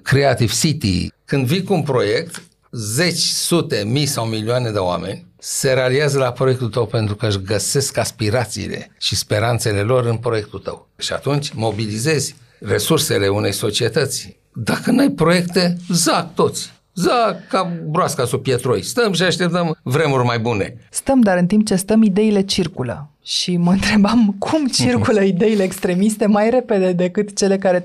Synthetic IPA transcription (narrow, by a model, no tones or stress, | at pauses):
kɾeat̪iv̥sit̪ḭkɨnd̪vikuunpɾo̞je̞k̚t̪ | ze̞t͡ʃʲsut̪e̞mijsawmilioane̞d̪eoa̰me̞̰nʲseɾealiazəlapɾo̞je̞k̚t̪ult̪əwpe̞nt̪ɾukəɨʃɡəse̞skaspiɾat̪sḭːle̞̰ʃispe̞ɾant̪se̞le̞lo̞ɾɨnpɾo̞je̞k̚t̪ult̪ə̰w | ʃia̰t̪unt͡ʃʲmo̞bilize̞zʲ | re̞surse̞le̞une̞jso̞t͡ʃie̞t̪ət̪sʲ | d̪akənajpɾo̞je̞kt̪e̞zakt̪o̞t̪sʲ | zakabɾoaskasupjet̪ɾo̰jst̪əmʃiaʃt̪e̞p̚t̪əmvɾe̞murʲmajbune̞̰st̪əmd̪aɾɨnt̪imp̚t͡ʃe̞st̪əmid̪e̞ile̞t͡ʃirkulə̰ | ʃiməɨnt̪ɾe̞bamkʰumt͡ʃirkuləid̪e̞ile̞ːkst̪ɾe̞mist̪e̞majɾe̞pe̞d̪e̞d̪e̞kɨt̪t͡ʃe̞le̞kaɾe̞